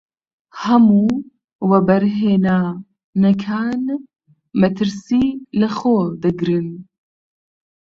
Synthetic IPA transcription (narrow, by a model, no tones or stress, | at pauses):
hɐmuː | wɛbɐɾɦeːnaː | nɐkʰaːn | mɐt̪ʰɨɾsilɐxoːd̪ɨɡɾɨn